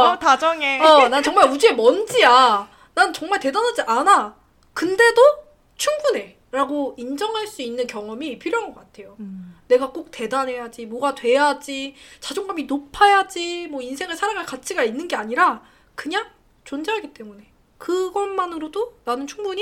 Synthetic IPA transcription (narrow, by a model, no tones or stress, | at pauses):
tad͡ʑʌŋeʌnannt͡ɕʌŋmaɭud͡ʑie̞mʌnd͡ʑia | nant͡ɕʌŋmaɭte̞danad͡ʑiʔana | kɯnde̞do | t͡ɕʰuŋbune̞ | ɾaɡoind͡ʑʌŋɦaɭs͈uinːɯnkjʌŋʌmipʰjiɾjoɦaŋɡʌk͈atʰe̞jone̞ɡak͈ok̚te̞danɦe̞jad͡ʑimoɡatwe̞jad͡ʑit͡ɕad͡ʑoŋɡaminopʰajad͡ʑimwʌinsʰe̞ŋɯɭsʰaɾaŋɯɭkat͡ɕʰiɡainːɯnɡe̞aɲiɾa | kɯɲaŋ | t͡ɕond͡ʑaɦaɡit͈e̞mune̞ | kɯɡʌnmanɯɾodonanɯnt͡ɕʰuŋbuɲi